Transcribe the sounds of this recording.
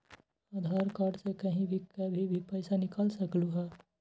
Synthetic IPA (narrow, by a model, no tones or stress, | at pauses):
aːd̪ʱaːɾkaːɾɖsekɐɦĩbʱikɐbʱibʱipɛːsanɪkəlsɐkluɦɛː